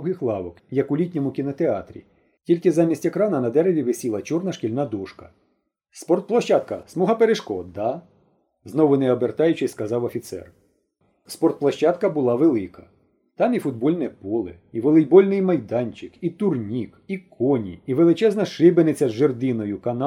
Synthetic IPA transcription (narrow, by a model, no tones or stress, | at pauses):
ɦɪxlˠɑʋɔkjɐkʊlʲitʲnʲɔmʊkʲinɐt̪eɑt̪ɾʲḭ | tʲilʲkɪzɑmʲisʲtʲekɾɑnɐnɐd̪ɛɾeʋʲiʋesʲilˠɐt͡ʃurnɐʃkʲilʲnɑd̪uʃkɐ̥ | spɔrt̪̚plˠɐʃt͡ʃɑt̪̚kɐsmuɦɐpeɾeʃkɔd̪ɑ | znɔʋʊnɛɔbert̪ɑjʊt͡ʃɪsʲskɐzɑwɐfʲit̪sɛ̰r | spɔrt̪̚plˠɐʃt͡ʃɑt̪kɐbʊlˠɑʋelˠɪkɐ̥ | t̪ɑmifʊd̪̚bɔlʲnɛpɔlˠe | iʋelˠɪjbɔlʲnɪjmɐjd̪ɑnʲt͡ʃɪkit̪ʊrnʲikikʰɔnʲḭːʋelˠɪt͡ʃɛznɐʃɪbenɪt͡sʲɐzʒerd̪ɪnɔjʊkɐn